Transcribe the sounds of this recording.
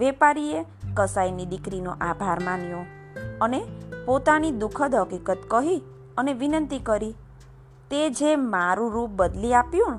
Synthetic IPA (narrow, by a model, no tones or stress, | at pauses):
ʋepaɾie | kəsainiɖikɾino̰ʔabʱaɾmanjõ | ənepot̪anid̪ukʰəd̪ʱɦəkikət̪kəɦi | əneʋinənt̪ikəɾi | t̪ed͡ʒemaɾũɾup̚bəd̪liapjũ